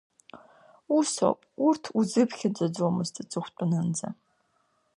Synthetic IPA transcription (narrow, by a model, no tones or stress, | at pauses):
uso̰pʼʊrtʰuzɨpxʲɪd͡ʒɐd͡zoːmɨstʰɨt͡sʼɨχʷtʷʼʊnɨnd͡zɐ̰